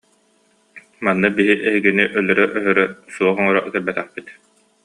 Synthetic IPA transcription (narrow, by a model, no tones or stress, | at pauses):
manːɯbiɦiʔɛɦiɡiniʔœlœɾœʔœɦœɾœsuɔχɔŋɔɾɔkɛlbɛt̪ɛχpit̪